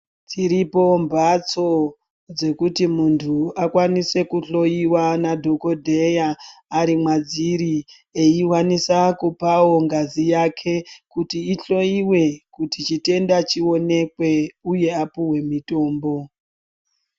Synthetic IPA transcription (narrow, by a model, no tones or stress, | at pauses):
tʰiɾipo̞mbat͡so̞ | d͡ze̞kutimuntʰuakwanise̞kuɬo̞jiwanadʱoko̞dʱe̞jaːɾimwad͡ziɾi | eiwanisakupawo̞ŋɡazijakʰe̞kutiːɬo̞jiwe̞kutit͡ʃite̞ndat͡ʃio̞ne̞kwe̞uje̞apuwe̞mito̞ːmbo̞